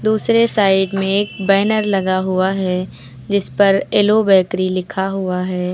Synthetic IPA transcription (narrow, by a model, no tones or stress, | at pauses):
d̪uːsɾesaːɪɖmẽeːk̚bɛːnəɾlɐɡaɦuaɦɛ | d͡ʒɪspɐɾeːlobɛːkɾilɪkʰaɦʊaɦɛː